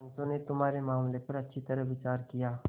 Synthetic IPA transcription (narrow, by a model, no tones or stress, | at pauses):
nsõnet̪ʊmaːɾemaːmlepɐɾɐtːʃʰit̪ɐɾəɦʋɪt͡ʃaːɾkijaː